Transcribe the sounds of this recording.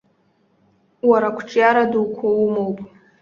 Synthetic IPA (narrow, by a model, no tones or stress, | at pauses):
waɾakʷʰʈ͡ʂʼjaɾaduwkʷʰaumowpʼ